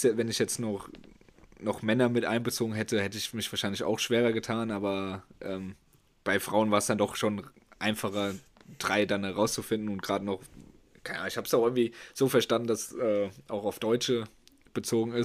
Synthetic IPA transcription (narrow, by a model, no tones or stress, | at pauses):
svɛnɪçjɛt͡stnɔχ | nɔχmɛnɐmɪtʔa̰ɪnbət͡soːɡŋ̩ɦɛtəhɛtəɪçmɪçv̥aːʃaɪnlɪça̰ʊxʃv̥eːʁɐɡətʰaːnaːbɐʔɛːm | b̥aɪfʁ̥aʊənvaːɐəsd̥andɔχʃoːn | ʔaɪnfaχɐd̥ʁaɪdanəʁaʊst͡sufɪndn̩ʊntɡ̥ʁ̥aːdənɔχ | kʰaɪnəaːn̩ɪçhaːbəsaʊxɪŋ̩tv̥iːz̥oːfɛɐʃtandn̩d̥asʔɛːʔaʊxaʊfd̥ɔʏt͡ʃə | b̥ət͡soːɡŋ̩ɪs